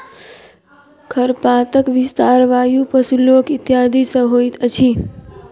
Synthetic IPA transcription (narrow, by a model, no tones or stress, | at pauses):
kʰəɾpaːt̪əkʋɪst̪aːɾʋaːjupəsuloːkɪt̪jaːd̪ʱisə̃ɦoːit̪ət͡ʃʰi